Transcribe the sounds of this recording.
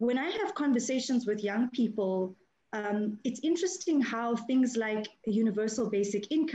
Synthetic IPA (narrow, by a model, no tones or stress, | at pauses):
wɛ̃ñaɪəv̥kʰɔ̃ɱvəseɪʃə̃nzwɪðjãŋpʰiːpəlˠ | amɪtsɪ̃ntɹ̥ɛstɪ̃ŋhaʊθɪ̃ŋzlaɪkjuːnɪvɜːˑsəlbeɪsɪkʰɪ̃nkʰ